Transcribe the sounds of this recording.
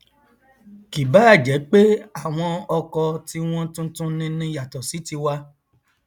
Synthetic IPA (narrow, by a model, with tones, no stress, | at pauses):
ki˨ba˨˦a˦˨d͡ʒɛ˨˦k͡pe˦a˦˨w̃ɔ̃˧ɔ˧kɔ˧ti˧w̃ɔ̃˦tũ˦tũ˦nĩ˦nĩ˦ja˨tɔ˨si˨˦ti˧wa˧